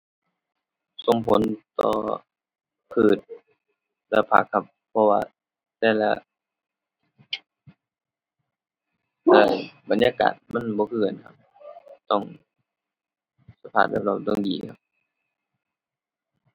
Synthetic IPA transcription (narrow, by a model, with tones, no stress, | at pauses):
so˨˧˦ŋpʰo˨˦nt̪ɔ̰ː˧˩ | pʰɯː˧˩t̪̚ | lɛ˧pʰa̰˧˩kʰːa˧pʰːɔ˧waː˧ | t̪ɛː˧˩la̰˧˩ | ɛː˧˩ba˨˦njaː˧˨ka̰ː˨˩t̪̚ma˧˥˨nbɔː˧˦kʰɯː˧˩a˨nkʰa˧p̚t̪ɔ˧˩ŋ | sa˧pʰaː˧˩t̪̚la̰˧˩p̚lɔː˧˩t̪ɔ˧˨ŋdiː˨˩kʰa˧p̚